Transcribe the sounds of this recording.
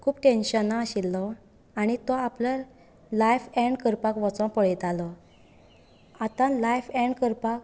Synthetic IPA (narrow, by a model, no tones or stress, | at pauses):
kʰuːbʈenɕənaːɕilːɔ | aɽ̃it̪ɔaplə | lajfɛ̃ɳɖkəɾpakʋɔt͡sɔ̃pəɭit̪alɔ | at̪ãlajfɛ̃ɳɖkəɾpak